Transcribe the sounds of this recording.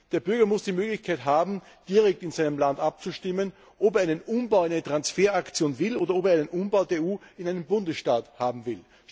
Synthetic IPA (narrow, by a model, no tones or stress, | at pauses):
d̥eːɐbʏɐɡɐmʊsd̥iːmøːɡlɪçkʰaɪtɦaːbm̩ | d̥iːɐʁɛk̚tɪnz̥aɪnəmlandʔap̚t͡suʃtɪmən | ʔopeɐɪnənʔʊmbaʊæɪnətʁ̥ansfeːɐakt͡sjoːnvɪloːdɐopeːɐæɪnənʔʊmbaʊdeːeuːɪnæɪnənbʊndəsʃtaːthaːbm̩vɪl